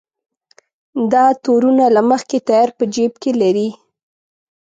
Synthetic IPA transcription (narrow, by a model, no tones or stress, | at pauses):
d̪ɑt̪oɾunalaməxket̪ajɑɾpəd͡ʒebkelaɾi